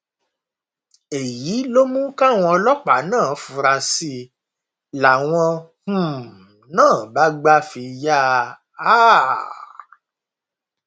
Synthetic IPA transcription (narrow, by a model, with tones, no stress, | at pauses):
e˨ji˨˦lo˦mũ˦ka˦˨w̃ɔ̃˧lɔ˦k͡pa˨˦nãː˦˨˦fu˧ɾa˧si˧ | la˨w̃ɔ̃˧hũ˨ | nãː˦˨ba˦ɡ͡ba˦fi˧ja˦ | a˦